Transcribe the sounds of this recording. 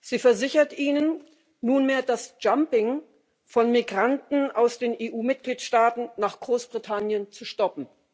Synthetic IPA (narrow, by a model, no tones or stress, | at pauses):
z̥iːfɛɐzɪçɐtʔiːnənː | uːnmeːɐdasd͡ʒ̥ampɪŋ | fɔnmiɡʁantn̩ʔaʊsd̥eːnʔeːʔuːmɪt̚ɡ̥liːtʃtaːtn̩naːχɡ̥ʁoːsb̥ʁitʰanjənt͡suʃtɔpm̩